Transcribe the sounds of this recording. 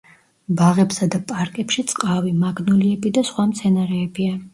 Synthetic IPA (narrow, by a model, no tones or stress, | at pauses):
baʁɛpsad̪apʼaɾkʼɛpʃit̪sʼqʼavimaɡnuliɛbid̪asχwamt̪sʰɛnaɾɛːbia